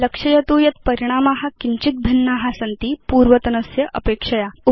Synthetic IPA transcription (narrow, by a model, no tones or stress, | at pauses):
ləkʂɐjɐt̪uːjɐt̪pɐɾiɽ̃amaɦakiɲt͡ɕit̪̚bʱinːaɦasɐnt̪iːpuːɾʋət̪ɐnɐsjɐʔɐpeːkʂɐjau